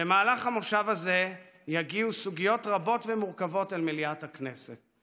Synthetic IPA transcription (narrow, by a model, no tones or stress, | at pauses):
bemaːlaχamoʃavaze̞ | jaɡiusuɡijo̞tʁabo̞tvemuʁkavo̞talmiliathakne̞set̚